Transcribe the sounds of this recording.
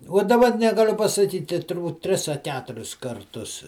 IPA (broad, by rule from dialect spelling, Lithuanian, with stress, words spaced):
uɔ dɐˈbɐ nʲɛɡɐˈlʲʊ pɐsɐˈkʲiːtʲɪ tʊrˈbuːt ˈtʲrʲɪs ɐ ˈkʲæːtʊrʲɪs kɐrˈtʊs